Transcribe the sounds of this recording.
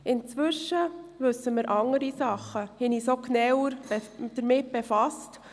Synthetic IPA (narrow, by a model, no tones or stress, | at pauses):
ɪnt͡sʋʏʃːəvɵsːəmɪɾʔɑŋəɾisɑχːəhɪnisoknɛwəɾbd̥əɾmɪt̚b̥ɛfɑst